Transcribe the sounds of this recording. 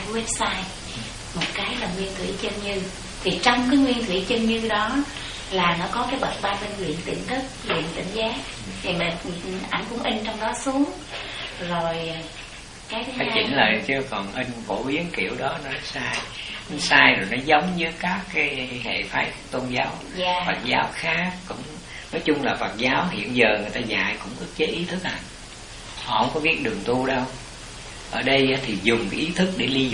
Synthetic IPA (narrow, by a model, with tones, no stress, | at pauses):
wɛ˦˥p̚saː˧j | mo˨˩t̚kaː˨˦jlaː˨˩ŋwi˧ənt̪ʰwḭ˧˩t͡ɕə˧ŋɲɨ˧ | t̪ʰi˨˩t͡ɕɔ˧wŋ͡mkaː˨˦jŋwi˧ənt̪ʰwi˧˩t͡ɕə˧ŋɲɨ˧ɗɔ˨˦ | laː˨˩nɔ˨˦kɔ˨˦kaː˨˦jɓə˨˩t̚ɓaː˧ɓe˧nzwḭ˧˨ənt̪ḭ˧˨ənt̪ʰɨ˦˥k̚lwḭ˧˨ənt̪ḭ̈˧˩ŋ̟zaː˨˦˥k̚ | hʰi˨˩maː˨˩˨ʔa˧˩jŋkʊ˧˥ŋʔi˧ŋ̟t͡ɕɔ˧wŋ͡mɗɔ˨˦su˨˦əŋ | zo˨˩j | kaː˨˦jt͡ɕḭ˧˩nləː˨˩t̪i˧wkɔ˨˩nʔi˧ŋ̟fo̰˧˩˦ʔi˨˦ənkḭ˧˩˨əwɗɔ˨˦nɔ˨˦nɔ˦saː˧jʔa˨˦saː˧jzo˨˩jnɔ˨˦zə˨˦wŋ͡mɲɨ˨˧˦kaː˦˥kːaː˨˦jhḛ˧˨faː˨˦jt̪o˧nzaː˨˦wː | fə˨˩t̚zaː˨˦wxaː˦˥k̚ːʊ̰˧˥ŋ͡m | nɔ˨˦jt͡ɕʊ˧ŋ͡mlaː˨˩fə˨˩t̚zaː˨˦wɦḭ˧˨ənzəː˨˩ŋɨ˨˩əjt̪aː˧za̰ː˧˨jkʊ̰˧˥ŋ͡mʔɨ˦˥ək̚t͡ɕe˨˦ʔi˨˦t̪ʰɨ˦˥k̚haː˨˩n | hɔ̰˧˨hə˧˦wŋ͡mkɔ˨˦vi˦˥ət̚ɗɨ˨˩əŋt̪u˧ɗə˧w | ʔəː˧˩ɗə˧jt̪ʰi˨˩zʊ˨˩ŋ͡mka˨˦ʔi˨˦t̪ʰɨ˦˥k̚ɗe˧˩li˧